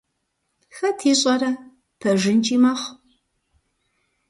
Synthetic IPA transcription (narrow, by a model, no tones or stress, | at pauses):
xɐtʰiːɕʼɐɾɐ | pʰɐʒɪnt͡ʃʼiːmɐχ